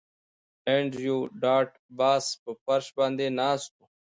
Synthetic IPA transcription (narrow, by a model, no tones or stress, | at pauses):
ẽːɳɖjuːɖaːʈ | baːspəpəɾʃbãːnd̪eːnaːst̪uː